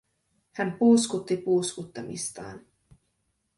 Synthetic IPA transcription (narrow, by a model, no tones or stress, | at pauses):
hænpuːskut̪ːipuːskut̪ːɑmḭst̪ɑ̰ːn